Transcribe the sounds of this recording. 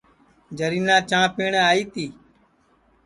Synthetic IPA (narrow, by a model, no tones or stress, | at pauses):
d͡ʒəɾiːnãːt͡ʃãːpeːɳːaːiːt̪iː